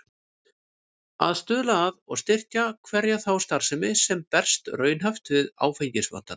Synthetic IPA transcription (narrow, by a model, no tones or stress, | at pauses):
a̰ðst̪ʏːðlaːðɔ̰ɣst̪ɪr̥cakʰvɛɾjaθawst̪aɾ̥sɪmɪsɛmpɛr̥st̪rœːɥnɦaft̪vɪða̰ːwfejɲcɪsva̰n̥t̪an